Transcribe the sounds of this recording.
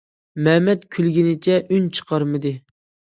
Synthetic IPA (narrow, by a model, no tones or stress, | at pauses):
mɛmɛt̪kʲʰylɡʲinɪt͡ʃʰɛʔynt͡ʃʰə̥qʰɑɾmɨd̪ɨ